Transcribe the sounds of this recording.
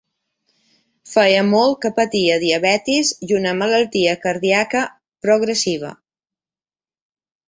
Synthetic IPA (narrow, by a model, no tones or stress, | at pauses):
fɛjəmɔl̚ˠkəpət̪iəðiəβɛt̪izjunəmələlˠt̪iəkəɾðiakə | pɾoɣɾəsiβ̞ə̰